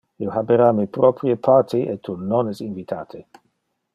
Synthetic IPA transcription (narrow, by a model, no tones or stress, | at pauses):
iohabeɾaːmipɾɔpɾiəpʰat̪ʰiʔet̪ʰːunonɛsinvit̪ʰa̰ːt̪ʰe